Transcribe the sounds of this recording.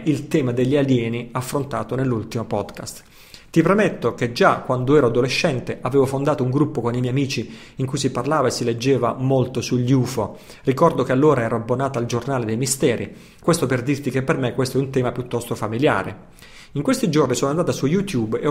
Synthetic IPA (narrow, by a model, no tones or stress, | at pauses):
ʔilt̪ɛːmad̪eʎːialjɛːniafːɾont̪aːt̪onelːult̪imopɔd̪ka̰st̪ | t̪ipɾemet̪ːok̟ed͡ʒakːwand̪oɛːɾoad̪oleʃːɛnt̪eʔaveːvofond̪aːt̪ouŋɡɾupːokonimɛjamiːt͡ʃiː | ŋkujsiparlaːvaesiled͡ʒːeːvamolt̪osuʎːiuːfo | rikɔrd̪okealːoːɾaɛːɾoabːonaːt̪ald͡ʒornaːled̪ejmist̪ɛːɾi | kwest̪operd̪irt̪ikepːermekwest̪oɛunt̪ɛːmapjut̪ːɔst̪ofamilja̰ːɾḛ | iŋkwest̪id͡ʒornisoːnoand̪aːt̪asujut̪jube